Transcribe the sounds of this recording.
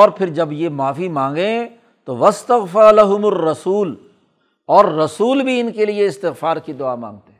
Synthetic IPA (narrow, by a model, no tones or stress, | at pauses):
ɔːɾpʰɪɾd͡ʒɐbjemaːfimãːŋɡẽ | t̪oʋɐst̪ɐɣfɪɾlɐɦʊmɐrːɐsuːl | ɔːɾːɐsuːlbʱiɪnkelieɪst̪ɪɣfaːɾkid̪ʊama̰ːŋt̪eɦɛ